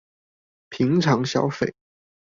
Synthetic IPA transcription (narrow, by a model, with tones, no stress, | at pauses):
pʰi˧˥ŋʈ͡ʂʰɑ˧˥ŋɕjɑ˥ʊfe˨˩˦ɪ